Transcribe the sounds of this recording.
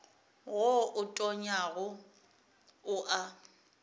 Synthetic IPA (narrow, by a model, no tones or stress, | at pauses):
ɣoʊtʼɔɲaɣʊ | ʊʔa